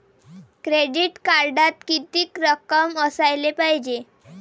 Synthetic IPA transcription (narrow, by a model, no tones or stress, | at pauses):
kɾeɖiʈkaɾɖat̪̚kit̪iːkɾəkəməsajlepaɦd͡ʑe